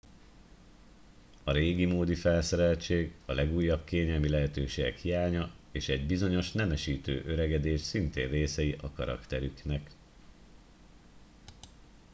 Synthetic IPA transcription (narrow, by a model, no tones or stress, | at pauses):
ɒɾeːɡimoːd̪ifɛlsɛɾɛlt͡ʃeːɡɒlɛɡuːjːɒb̚keːɲɛlmilɛɦɛt̪øːʃeːɡɛ̰khijaːɲɒ | eːʃɛɟbizo̞ɲo̞ʃnɛmɛʃiːt̪ø̰ːʔø̞ɾɛɡɛd̪eːʃsint̪ḛːnreːsɛjiʔɒkɒɾɒ̰kt̪ɛɾyknɛk